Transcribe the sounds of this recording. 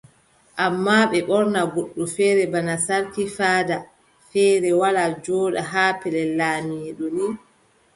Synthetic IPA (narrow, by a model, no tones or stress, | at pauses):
ʔamːaːɓɛɓɔɾnaɡoɗːufɛːɾɛbanasaɾtifaːda | fɛːɾɛwalad͡ʒɔːɗaɦaːpɛlɛlaːmiɛɗɔni